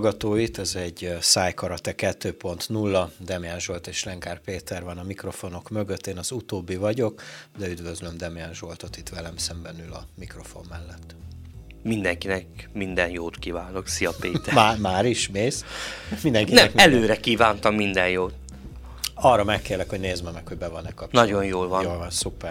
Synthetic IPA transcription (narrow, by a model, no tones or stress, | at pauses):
ɡɒt̪oːit̪ɛzɛɟːsaːjkɒɾɒt̪ɛkɛt̪ːøːpo̞nt̪nulːɒd̪ɛmijɛnʒolt̪eːʃlɛŋkaːrpeːt̪ʰɛrvɒnɒmikro̞fo̞no̞kmø̞ɡøt̪ːeːnɒzut̪oːbːivɒɟo̞kd̪ɛyd̪vøzlømd̪ɛmijɛnʒo̞lt̪o̞t̪it̪ʋɛlɛmsɛmbɛnylɒ̰mikro̞fo̞̰mːɛlːɛt̪ː | mind̪ɛŋkinɛkmind̪ɛnjoːt̪kivaːno̞ksiɒpeːt̪ɛmaːmaːɾiʃmeːsmind̪ɛŋkinɛkɛløːɾɛkiːvaːnt̪ɒmːind̪ɛnjoːt̪ | ɒrːɒmɛkːeːlɛkhoɟneːzmɛmɛkho̞ɟbɛvɒnɛkːɒp̚nɒɟo̞njoːlvɒjoːlvɒnsupɛr